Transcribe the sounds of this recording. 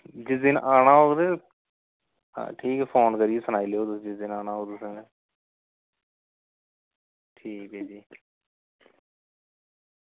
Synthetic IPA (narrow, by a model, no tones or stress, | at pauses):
d͡ʒɪsd̪inʔaːnãːɦoːd̪eː | ʈʰiːkɛpʰoːnkəɾiesənaːiːleːoːt̪ʊd͡ʒɪsd̪ɪnaːnãːɦoːd̪ʊsẽe | ʈʰiːkeːd͡ʒiː